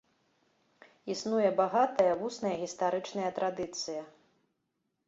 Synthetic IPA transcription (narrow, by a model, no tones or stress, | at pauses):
isnujɛbaɣat̪ɐjɐvusnɐjɐɣʲist̪aɾɨt͡ʂnɐjɐt̪ɾad̪ɨt̪sɨjɐ